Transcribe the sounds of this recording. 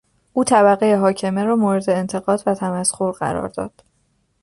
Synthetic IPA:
ʔuːt̪ʰæβæɣejeɦɒːcʰe̞meɾɒːmoːɾe̞d̪e̞ːnt̪ʰe̞ɣɒːd̪væt̪ʰæmæsxo̞ɾɢæ̰ɾɒ̰ːɾd̪ɒ̰ːd̪̥

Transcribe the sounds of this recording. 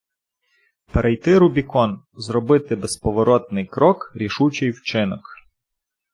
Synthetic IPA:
peɾʔɛjt̪ɪɾʊbʲikɔn | zrɔbɪt̪ɪbespɔʋɔɾɔt̪̚nɪjkɾɔkɾʲiʃut͡ʃɪjwt͡ʃɪnɔk

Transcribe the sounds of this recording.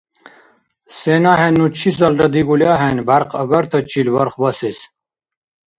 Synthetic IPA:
senaɦenːut͡ɕʰis̬ɐlɖɐd̪iɡuljaɦenbaɾqɐ̰ɡɐɾt̪ʰɐt͡ɕʰilbɐɾχbɐses

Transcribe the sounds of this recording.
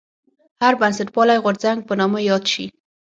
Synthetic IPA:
haɾbansaʈ̚wɑlajɣoɾzaŋɡ̚pənɑməjɑd̪ʃḭ

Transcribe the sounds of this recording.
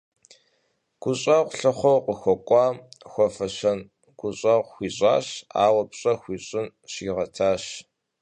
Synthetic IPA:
ɡ̥ʷʊɕʼɐʁʷɬɨχʷɔwqʷəxʷɔkʷʼɑːxʷɔfɐɕɐn | ɡ̥ʷʊɕʼɐʁʷxʷiːɕʼaːɕa̰ːwɐpɕʼɐxʷiːɕʼɪn | ɕiʁɐtʰaːɕ

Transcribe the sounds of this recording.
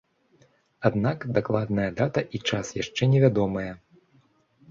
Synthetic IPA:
ad̪nakd̪aklˠad̪̚nɐjɐd̪at̪ɐʔit͡ʂasjaʂt͡ʂɛnʲɛvʲad̪ɔmɐjɛ

